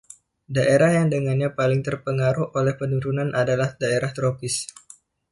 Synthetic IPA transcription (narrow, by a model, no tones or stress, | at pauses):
daʔeɾahjaŋdəŋanɲapalɪŋt̪ərpəŋaɾuhʔolɛhpənuɾunanʔadalahdaeɾaht̪ɾopɪs